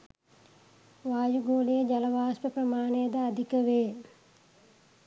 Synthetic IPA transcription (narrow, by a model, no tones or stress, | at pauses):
ʋaːjuɡoːlejəd͡ʒɐlɐʋaːspəprɐmaːnejəd̪əːd̪ʱikəʋeː